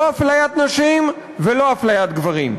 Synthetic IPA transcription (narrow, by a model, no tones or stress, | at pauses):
oaflajat̪naʃim | velo̞aflajat̪̚ɡvaʁim